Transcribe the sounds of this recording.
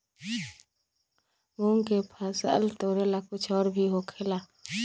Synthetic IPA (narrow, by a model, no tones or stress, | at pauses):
muːŋkepʰəsə̰lt̪oːɾelakʊt͡ʃʰɔːɾbʱiɦoːkʰelaː